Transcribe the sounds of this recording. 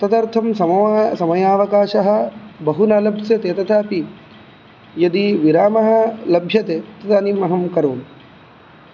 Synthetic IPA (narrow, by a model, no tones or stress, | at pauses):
ɐt̪ɐt̪ɐɾt̪ʰɐmsɐmɐsɐmɐjaːʋɐkaːʃɐɦɐ̆bɐɦunaːlɐbʱsɐt̪et̪ɐt̪ʰaːpi | jɐd̪iʋiɾaːmɐɦɐ̆lɐbʱjɐt̪et̪ɐt̪ɐnimɐɦɐmkɐɾoːm